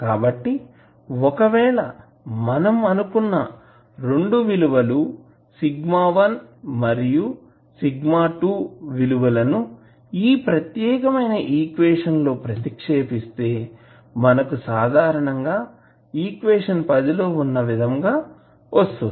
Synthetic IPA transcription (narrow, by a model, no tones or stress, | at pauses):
kaːbɐʈːi | ɔkɐʋɛːɭɐ | mɐnɐmɐnukunːɐ | ɾeɳɖuʋiluʋɐlu | siɡmaːʋɐnmɐɾiju | siɡmaːʈuːʋiluʋɐlɐnu | iːpɾɐt̪jɛːkɐmɐjnɐʔiːkʋeːʂɐnlo̞ːpɾɐt̪ikʂeːpist̪e̞ː | mɐnɐkusaːd̪ʱaːɾɐɳɐŋɡaː | iːkʋeːʂɐnpɐd̪ilo̞ːunːɐʋid̪ʱɐŋɡaː | ʋɐst̪un